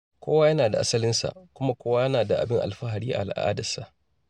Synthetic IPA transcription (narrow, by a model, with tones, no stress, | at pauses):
kʷʰoː˦wa˦jɐ˦naː˨da˨ʔa˦sɐ˦lɪ˦nsa̰˨ʔkʷʊ˦ma˦kʷoː˦wa˦jɐ˦naː˨da˨ʔa̰˨bɪ˦ŋʔa̰˨lɸa˦ɦa˨ɽiː˦ʔa̰˨ʔa˨lʔʔa̰ː˦dɐ˨sa˨ʔ